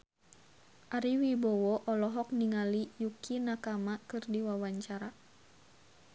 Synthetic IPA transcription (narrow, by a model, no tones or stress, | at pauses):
ʔaɾiwibɔwɔʔɔlɔɦɔk̚niŋalijukʰinakamakɨrdiwawaɲt͡ʃaɾa